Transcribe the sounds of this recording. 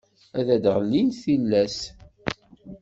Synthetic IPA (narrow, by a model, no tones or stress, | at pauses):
æðæd̪ʁəlːinθilːæs